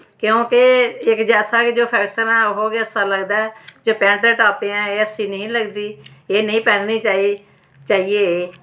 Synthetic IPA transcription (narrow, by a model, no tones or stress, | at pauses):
kjõːkɪɪkd͡ʒɛːsaːkɪd͡ʒoːpʰɛːksəɾãːɦoːɡeəsaːləɡd̪aːɛːd͡ʒoːpɛ̃ːɳʈəʈaːpeãːeːəsiːnəĩːləɡd̪iːeːnəĩːpɛːɾniːt͡ʃaːi | t͡ʃaːieː